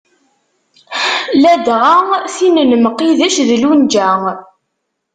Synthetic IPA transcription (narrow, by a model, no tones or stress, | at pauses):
læd̪ʁaŋθinənmqːiðæʃðəlund͡ʒæ